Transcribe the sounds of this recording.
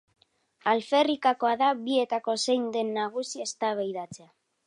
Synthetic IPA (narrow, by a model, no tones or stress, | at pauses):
alfe̞rikako̞aðaβie̞t̪ako̞se̞jnd̪e̞nːaɣ̞usiest̪aβ̞ejðat͡se̞a